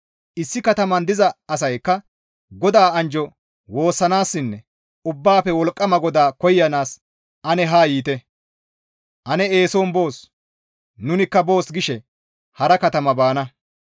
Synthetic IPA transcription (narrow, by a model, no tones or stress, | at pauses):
ʔɪsːɪkɐt̪ɐmɐnd̪ɪzɐɐs̬ɐjkːɐ | ɡɔd̪aːɐnd͡ʒɔ | wo̞ːsːɐnaːsːɪnːɛ | ʊbːaːpɛwɔlkʼːɐmɐɡɔd̪aːkɔjːɐnaːs | ʔɐnɛɦaːjiːt̪ɛ | ʔɐnɛe̞ːsoːnbo̞ːs | nʊnɪkːɐbo̞ːsɡɪʃɛ | hɐɾɐkɐt̪ɐmɐbaːnɐ